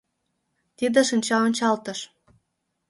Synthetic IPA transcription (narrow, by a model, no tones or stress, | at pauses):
t̪id̪ĕʃinʲt͡ɕɑonʲt͡ɕɑlt̪ə̆ʃ